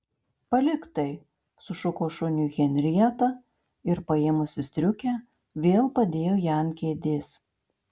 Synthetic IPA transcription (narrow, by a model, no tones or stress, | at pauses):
pɐlʲɪkt̪ɐɪ | sʊʃʊkoːʃʊnʲʊɣʲɛnʲɾʲiɛt̪ɐ | ɪɾpɐɪmʊsʲɪsʲt̪ʲɾʲʊkʲæː | ʋʲeːlˠpɐd̪ʲeːjoːjæˑnkʲeːd̪ʲeːs